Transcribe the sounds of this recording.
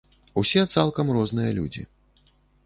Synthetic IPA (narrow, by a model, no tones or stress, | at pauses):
usʲɛt̪salˠkɐmrɔznɨjɐlʲṵd͡zʲḭ